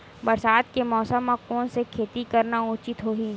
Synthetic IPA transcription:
bɐɾsaːt̪̚kemɔːsəmːãkɔːnsekʰeːt̪ikɐɾnaũːt͡ʃɪt̪ɦoːɦiː

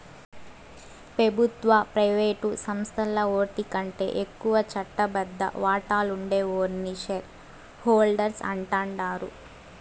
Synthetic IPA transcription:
pɾɐbʱut̪ʋɐpɾɐjʋeːʈusɐmst̪ʰɐlɐoːʈ̪ikɐɳʈe̞̰ːʔekːuʋɐt͡ʃɐʈːɐbɐd̪ːɐ̰ʋaːʈaːluɳɖe̞ːoːɾniʃɐɾ | hoːlɖɐɾsɐ̰ɳʈaːɳɖaːɾu

